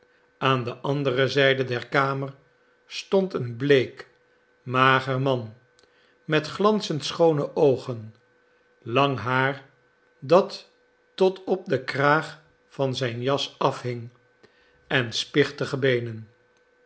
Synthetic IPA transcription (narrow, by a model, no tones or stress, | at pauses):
ʔaːndəʔɑndərəzɛjdədɛɹkaːməɹ | stɔntənblejk | maːχəɹmɑn | mɛtχlɑnsəntsχownəʔowχən | lɑŋɦaːɹ | dɑtː | ɔtɔp̚dəkraːχ | fɑnzɛjnjɑsɑfɦɪŋ | ɛnspɪχtəχəbejnən